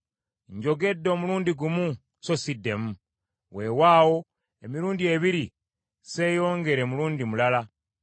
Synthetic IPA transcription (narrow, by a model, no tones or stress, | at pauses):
ɲɟo̞ɡe̞dːo̞ːmuluːndiɡumu | so̞sidːe̞mu | we̞ːwaːwo̞ | e̞miɾuːndieβiɾi | se̞ːjo̞ːŋɡe̞ɾe̞muluːndimulala